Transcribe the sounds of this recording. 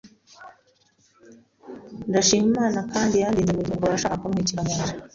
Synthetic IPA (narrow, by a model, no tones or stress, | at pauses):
ndaʃiːmimaːnakaːndijandiːnzemuɟiːŋɡoɾaʃaːkakumŋiciɾamad͡ʒi